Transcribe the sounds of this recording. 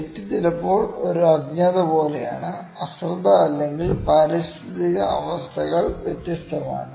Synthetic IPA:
etːit̪ːilɐpːo̞ːɭo̞ɾuɐɡɲaːðɐbo̞ːleja̰ːɳɨ | ɐsrd̪ɐːlːe̞ŋɡilpɐɾist̪ʰiðiɣɐɐʋɐst̪ʰɐɣɐɭʋjet̪jɐst̪ʰɐma̰ːɳɨ

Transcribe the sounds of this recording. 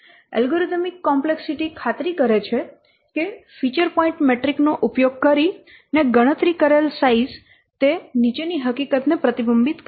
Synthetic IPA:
ɛ̰lɡoɾit̪mikːɔmpleksiʈikʰat̪ɾikəɾet͡ʃʰe | kefit͡ʃəɾpɔĩɳʈmeʈɾiknoʔupjoɡ̚kəɾi | neɡəɽ̃ət̪ɾikəɾelsaiz | t̪enit͡ʃeniɦəkikət̪nepɾət̪ibəmbit̪k

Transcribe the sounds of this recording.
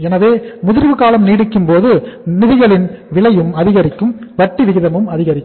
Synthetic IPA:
ɛnɐʋeːmʊðɪɾʋɯkaːlɐmniːɽɯkːɯmpoːðɯnɪðɪɣɐɭɪnʋɪɭɐjɯmɐðɪɣɐɾɪkːɯmʋɐʈːiʋɪɣɪðɐmɯmɐðɪɣɐɾɪkː

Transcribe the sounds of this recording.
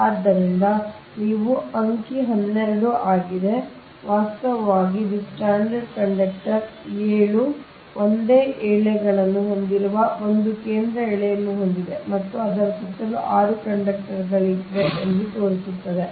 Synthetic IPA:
aːd̪ːɐɾind̪ɐ | niːʋuɐŋkiɦɐnːeɾɐɽuʔaːɡid̪e̞ | ʋaːst̪ɐʋɐʋaːɡidisʈaːɳɖɐɖkɐɳɖɐk̚ʈɐɾeːɭu | ond̪eːʔɛːɭɛɡɐɭɐnːuɦo̞nd̪iɾuʋɐo̞nd̪ukeːnd̪ɾɐɛːɭɛjɐnːuɦo̞nd̪id̪e̞mɐt̪ːuɐd̪ɐɾɐsɐt̪ːɐluʔaːɾukɐɳɖɐk̚ʈɐɾɡɐɭiʋeʔelːit̪o̞ːɾisut̪ːɐd̪e̞

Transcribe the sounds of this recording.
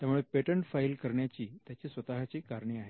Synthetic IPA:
t̪jamuɭepeʈəɳʈfailkəɾɳjat͡ɕiːt̪jat͡ɕiːsʋət̪aɦat͡ɕiːkaɾɳiːaɦe

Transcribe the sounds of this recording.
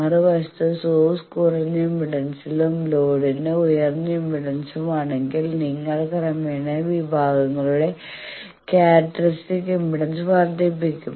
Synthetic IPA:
ɐrɨʋɐst̪ɐsoːskurɐnːɐimbiɽɐnsilumlo̞ːɽineujɐrnɐimbiɽɐnsumaːɳe̞ŋɡilniŋːɐɽekɐrɐmeːɳeʋibʱaːɡɐŋːɐɭuɽe̞ | kaːʈːɐrisʈikːimbiɽɐnsʋaːrd̪jepːikʲːum

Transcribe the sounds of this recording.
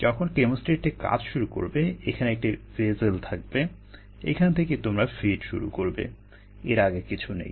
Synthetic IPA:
d͡ʑɔkʰonkemosʈeʈeka̰d͡ʑʃuɾuko̰ɾbeekʰaneɛk̚ʈivezelt̪ʰak̚be | ḛkʰanet̪ʰeket̪omɾafiɖʃṵɾṵkoɾbḛ | eɾaɡekit͡ɕʰunḛj

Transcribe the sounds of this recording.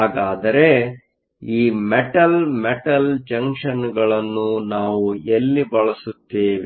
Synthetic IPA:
ɦaːɡaːd̪ɐɾe̞ | iːmɛʈɐlmɛʈɐld͡ʒɐŋkʂɐnɡɐɭɐnːunaːʋuelːibɐɭɐsut̪ːeːʋi

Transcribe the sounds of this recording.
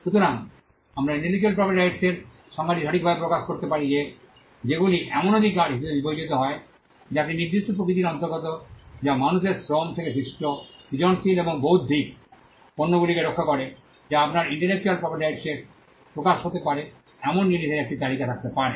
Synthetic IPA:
ʃut̪oɾaŋ | amɾanelid͡ʑalp̬ɾɔpeɾɖajʈseɾ | ʃɔŋaɾiʃɔʈik̚bʱabepɾokaʃkoɾt̪epaɾid͡ʑe | d͡ʑeɡuliʔɛmonod̪ʱikaɾɦiʃeb̪ebibod͡ʑit̪oɦɔe | d͡ʑat̪iniɾd̪iʃʈop̬ɾokɾit̪̬iɾɔnt̪oɾɡot̪od͡ʑamanuʃeɾsɾomt̪ʰekesiʃʈopid͡ʑonsileboŋboɦut̪̚d̪ʱik | ponːoɡulikeɾokʰːakoɾe | d͡ʑaapnaɾiɳʈeɾlek̚t͡ɕualpɾɔpaɾɖajʈseɾ | pɾokaʃɦot̪epaɾe | ɛmonːinid̪ʱeɾek̚ʈit̪aɾikat̪ʰak̚t̪epaɾḛ

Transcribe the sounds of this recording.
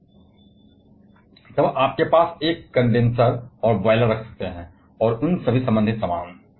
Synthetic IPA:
t̪ɐbʔaːp̚kepaːseːkːɐ̃ɳɖẽnsəɾɔːɾʋaːɪləɾɐkʰsɐ̥k̚t̪eɦɛ̃ː | ɔːɾʊnsɐbʱisɐ̃mbə̃nd̪ʱɪt̪sɐmãː

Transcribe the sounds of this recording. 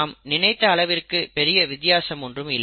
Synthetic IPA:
mnɪnɐɪt̪ːɐːɭɐʋɪrkɯpɛɾɪjɐʋɪt̪ːɪjaːsɐmɔndrɯmɪlː

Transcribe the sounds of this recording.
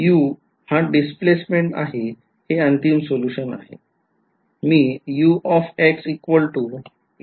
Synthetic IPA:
juː | haɖisplesmeɳʈa̰ɦe | heənt̪imsoluɕəna̰ɦḛ | miːjuːʔɔfeksikʋəlʈu

